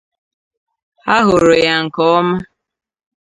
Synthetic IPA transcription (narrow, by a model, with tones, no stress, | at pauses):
a˦ɦo˨ɾo˨ja˨ŋ̩˨kɔ˦ma˦